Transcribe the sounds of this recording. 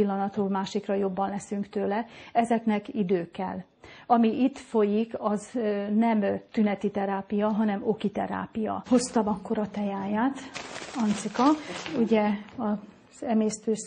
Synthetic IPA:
ilːɒnɒt̪hoːlmaːʃikrɒjo̞bːɒnlɛsyŋkt̪øːlɛɛzɛknɛkid̪øːkːɛ̰l | ɒmiʔit̪fo̞jikɒznɛmt̪ynɛt̪it̪ɛɾaːpijɒɦɒnɛmo̞kit̪ɛ̰ɾa̰ːpijɒ̰ho̞st̪ɒmɒkːo̞ɾɒt̪ɛjaːjaːt̪ɒnt̪sikɒuɟɛɒ | z̥ɛmeːst̪øːs

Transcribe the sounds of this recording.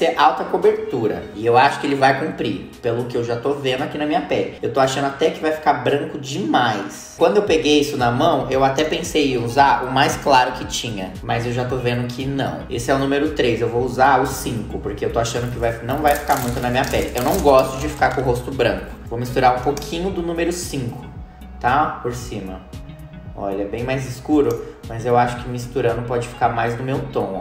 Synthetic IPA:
seɾʔawt̪ɐkobeɾt̪uɾɐ̰ɪewaʃʊ̥kɪelɪvajkũmpɾi | pelʊkɪewʒat̪ovẽnd̪ʊakinɐmĩɲɐpɛlɪewt̪oaʃɐ̃nd̪ʊat̪ɛkɪvajfi̥kaɾbɾɐ̃ŋkʊd͡ʒɪmajs | kwɐ̃nd̪ʊewpeɡejisʊnɐmɐ̃w̃ewat̪ɛpẽsejɪuzaʊmajsklaɾʊkɪt͡ʃĩɲɐ | mʔɐzewʒat̪ovẽnd̪ʊkʰɪnɐ̰̃w̃ḛsɪɛʊnũmeɾʊt̪ɾezewvouzaɾʊsĩŋkʊpoɾkeewt̪oaʃɐ̃nd̪ʊkɪvajnɐ̃w̃vajfi̥kaɾmũj̃t̪ʊnɐmĩɲɐpɛlɪʔewnɐ̃w̃ɡɔst̪ʊd͡ʒɪfi̥kaɾkõɦost̪ʊbɾɐ̃ŋkʊ̥vomist̪uɾaɾũpokʰĩɲʊd̪ʊnũmeɾʊsĩŋkʰʊ̥ | t̪apoɾsĩmɐ | ɔ̰ʎɐɛbẽj̃majzɪskuɾʊmɐzewaʃʊ̥kɪmist̪uɾɐ̃d̪ʊpɔd͡ʒɪfi̥kaɾmajznʊmewt̪õ

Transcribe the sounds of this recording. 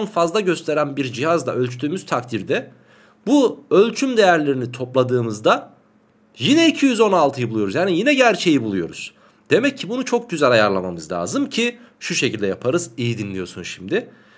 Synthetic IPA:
nfazlˠaɟø̞st̪ʰe̞ɾænbiɾd͡ʒihazd̪ˠa̰ʔø̞lʲt͡ʃʰyd̪yːmyz̥t̪ʰakt̪ʰiɾd̪ɛ | buø̞lʲt͡ʃʰymd̪e̞jæɾlʲe̞ɾinit̪ʰo̞plˠad̪ɯːmɯzd̪a | jinɛicʰijyzo̞nalˠt̪ʰɯjɯbulˠujo̞ɾuzjaːnijinɛɟæɾt͡ʃʰe̞jibulˠujo̞̰ɾṵz̥ | d̪̥e̞mɛcʰːibunut͡ʃʰo̞k̚ɟyzælʲajaɾlˠamamɯzlʲa̰ːzɯmcʰi | ʃuʃecʰilʲd̪ɛjapʰaɾɯzijid̪inlʲijo̞sunʃimd̪ɪ

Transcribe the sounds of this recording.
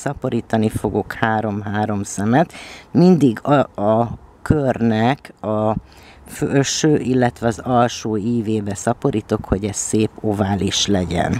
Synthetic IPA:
sɒpo̞ɾiːt̪ɒnifo̞ɡo̞khaːɾo̞mɦaːɾo̞msɛmɛt̪mind̪iɡɒkørnɛkɒ | føølʃøːʔilːɛt̪ʋɛɒzɒlʃuːiːveːbɛsɒpo̞ɾiːt̪o̞kho̞ɟɛsseːpo̞vaːliʃlɛɟɛ̰n

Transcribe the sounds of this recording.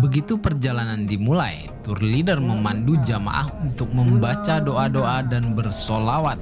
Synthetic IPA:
bəɡit̪upərd͡ʒalanandimula̰j | t̪ʊrlidarməmandud͡ʒama̰ʔa̰hunt̪ʊk̚məmbat͡ʃadoʔadoʔadanbərsolawat̪̚

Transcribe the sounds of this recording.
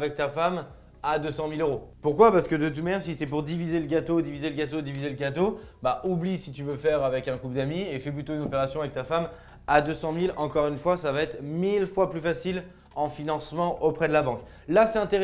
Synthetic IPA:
avɛk̚t̪afam | ad̪øsɑ̃miløʁopuʁkwapaʁsə̥kəd̪ət̪̬ymɛʁsisɛpuʁd̪ivizeləɡat̪od̪ivizeləɡʲat̪od̪ivizeləɡʲat̪obaʔublisit̪yvøfɛʁavɛkɛ̃kupd̪amiefɛplyt̪oynɔpeʁasjɔ̃avɛk̚t̪afam | ad̪øsɑ̃milɑ̃kɔʁynfwasavaɛt̪χmilfwaplyfasil | ɑ̃finɑ̃smɑ̃ʔopχɛd̪əlabɑ̃k | lasɛt̪ɛ̃t̪eʁ

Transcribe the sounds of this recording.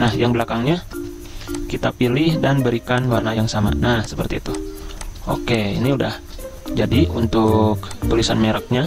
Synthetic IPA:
nahjaŋbəlakaŋɲa | kit̪apilɪhdanbəɾikanlwarnajaŋsama̰nahsəpərt̪iːt̪u | o̰keḭniudah | d͡ʒadiunt̪ʊk̚t̪ulisanmeɾək̚ɲa

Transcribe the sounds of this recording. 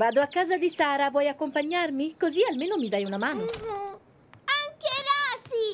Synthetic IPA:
vaːd̪oakːaːzad̪isaːɾavwɔjakːompaɲːarmikozialmeːnomid̪ajunamaːno | aŋkeɾaːsi

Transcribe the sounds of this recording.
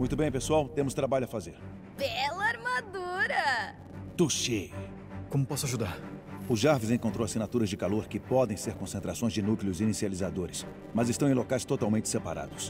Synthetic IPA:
mũj̃t̪ʊbẽj̃pesuawt̪ẽmʊst̪ɾabaʎʊafazeɾ | bɛlɐaɾmad̪uɾɐ | t̪uʃe | kõmʊpɔsʊaʒud̪aɾʊʒaɾvɪzẽkõnt̪ɾowasinat̪uɾɐzd͡ʒɪkaloɾkɪpɔd̪ẽj̃seɾkõsẽnt̪ɾasõj̃zd͡ʒɪnukleʊzinisializad̪oɾɪs | mɐzɪst̪ɐ̃w̃ẽlokajst̪ot̪awmẽnt͡ʃɪ̥sepa̰ɾa̰d̪ʊs

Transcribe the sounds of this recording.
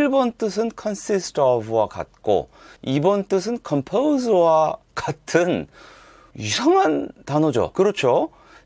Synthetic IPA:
ɭbʌnt͈ɯs̬ʰɯnkʰʌnsʰistʰʌbwaka̰t̚k͈o̰ibʌnt͈ɯs̬ʰɯnkʰʌmpʰousʌwa | katʰɯn | isʰʌŋantanʌd͡ʑo̰kɯɾʌt͡ɕʰo

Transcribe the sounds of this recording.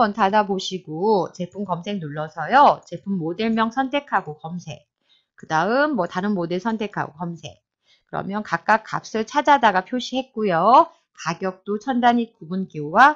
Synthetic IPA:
ʌntʰadaboɕʰiɡot͡ɕe̞pʰumkʌmsʰe̞ŋnuɭːʌsʰʌjot͡ɕe̞pʰumːodeɭmjʌŋsʰʌntʰe̞kʰaɡokʌmsʰe̞̰k̚ | kɯdaɯmːwʌtaɾɯnmodeɭsʰʌntʰe̞kʰa̰ɡokʌmsʰe̞̰k̚ | kkɯɾʌ̰mjʌnkak̚k͈ak͈̚ːa̰p̚s͈ɯt͡ɕʰad͡ʑadaɡapʰjoɕʰiɦe̞t̚k͈ujo | kaɡjʌk̚t͈ot͡ɕʰʌndaɲikuɡunkiowa

